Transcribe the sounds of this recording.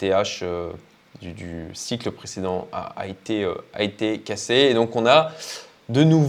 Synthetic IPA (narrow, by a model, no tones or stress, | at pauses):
t̪eaʃø | d̪yd̪y̰sikləpχesed̪ɑ̃a̰a̰et̪eø̰a̰et̪ekʲaseːd̪ɔ̃kɔ̃na | d̪ənuv